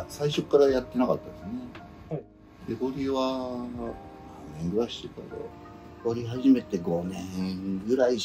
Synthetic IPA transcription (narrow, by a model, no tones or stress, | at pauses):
saiɕo̞kːaɾajat̪ːe̞nakat̪ːad̪esne | d̪ekoɾʲiβa | nãnːẽ̞ŋɡɯ̟ɾaiɕi̥t̪et̪a̰d̪o̰ | joɾʲiɦaʑime̞t̪e̞ɡo̞nẽɡɯ̟ɾai